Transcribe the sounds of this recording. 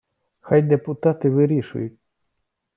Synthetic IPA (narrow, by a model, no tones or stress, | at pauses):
xɑjd̪epʊt̪ɑt̪ɪʋɪɾʲiʃʊ̰jʊtʲ